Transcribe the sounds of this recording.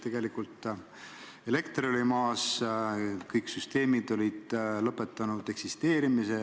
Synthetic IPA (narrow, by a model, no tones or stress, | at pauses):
t̪e̞ɡ̥e̞likult̪ | e̞le̞kt̪rolimɑːs | kɤjksyst̪e̞ːmid̪o̞lʲid̪̥lɤpːˑe̞t̪ːˑɑnud̪̥e̞ksist̪e̞ːɾimise